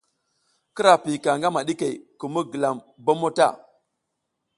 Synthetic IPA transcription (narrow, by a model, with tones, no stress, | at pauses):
kə˦ɾa˨pi˨ka˨ŋɡa˦ma˨ɗi˦ke˨ku˨mu˦ɡə˨la˨m | bo˦mo˦ta̰˦˨